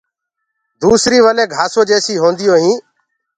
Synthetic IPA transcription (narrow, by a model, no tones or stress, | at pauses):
d̪uːsɾiːʋəleːɡʱaːsoːd͡ʒeːsiːɦõːnd̪ɪjoːɦĩː